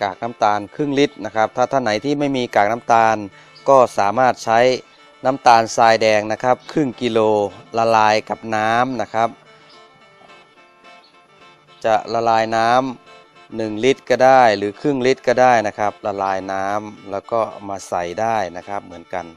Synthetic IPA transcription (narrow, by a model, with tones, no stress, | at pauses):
kaː˨˩k̚na˦˥mt̪aː˧nkʰɯ˥˩ŋli˦˥t̪̚na˦˥kʰa˦˥p̚t̪ʰaː˧˩t̪ʰa˧˩nːa˩˦jt̪ʰiː˥˩ma˥˩jmiː˧kaː˨˩k̚na˦˥mt̪aː˧n | kɔː˧˥˩saː˩˦maː˥˩t̪̚t͡ɕʰa˦˥j | na˦˥mt̪aː˧nsaː˧jdɛː˧ŋna˦˥kʰa˦˥p̚kʰɯ˥˩ŋki˧loː˧la˧laː˧jka˨˩p̚naː˦˥mna˦˥kʰa˦˥p̚ | t͡ɕa˨˩la˧laː˧jnaː˦˥m | nɯ˨˩ŋli˦˥t̪̚kɔː˧˩daː˥˩jlɯː˩˦kʰɯ˥˩ŋli˦˥t̪̚kɔː˧˩daː˥˩jna˦˥kʰa˦˥p̚la˧laː˧jnaː˦˥mlɛː˦˥wkɔː˧˥˩maː˧sa˨˩jdaː˥˩jna˦˥kʰa˦˥p̚mɯ˩˦ənka˧n